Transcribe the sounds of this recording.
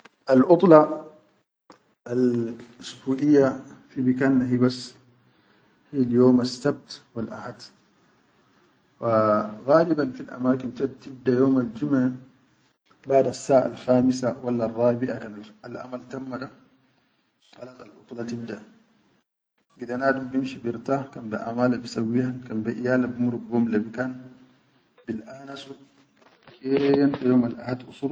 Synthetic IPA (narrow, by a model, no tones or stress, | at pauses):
ʔalʔut̪ˤlɑ | ʔalsbuːʔijːafibikanːaɦibasː | hiːljoːmasːab̚t̪wilʔaħad̪ | waɣaːlibanfilʔa̰maːkint̪at̪ib̚d̪ajoːmald͡ʒuma | baʕdasːaːʔa̰lxaːmis̬awalːarˤːɑːbiʔakanːlʔa̰malt̪amːada | ta̰laːt̪alʔuklat̪ib̚da | ɡid̪anaːdumbimʃibiɾt̪akanbaʔa̰maːlabisawːiːhakanbeʔijaːlabimuɾubɡomlabikaːn | bilʔaːnasu | kejant̪ajoːmalʔahad̪ʔusˤuɾ